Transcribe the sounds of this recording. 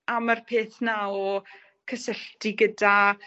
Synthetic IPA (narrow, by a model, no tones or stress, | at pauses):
amarpʰeːθnaɔ | kʰəsəɬtiɡəda